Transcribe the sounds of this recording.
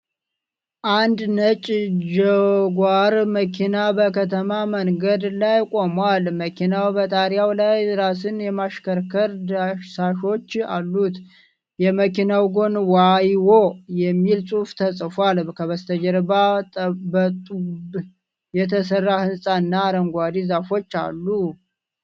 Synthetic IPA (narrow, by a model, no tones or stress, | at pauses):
ʔand̪nət͡ʃʼd͡ʒəɡʷaɾməkʰinabəkʰət̪ʰəmaməŋɡəd̪lajkʼo̞mwalməkʰinawbət̪ʼaɾjawlajɾasɨnjɛmaʃkəɾkʰəɾd̪aʃsaʃo̞t͡ʃːalːut̪ | jɛməkinawɡo̞nwajwojɛmːilsʼuft̪ʰəsʼfwalkʰəβəst̪ʰəd͡ʒəɾbaəbət̪ʼub | jɛt̪ʰəsərːahɨnsʼaɨnːaɾəŋɡʷad̪izafo̞t͡ʃːa̰lːu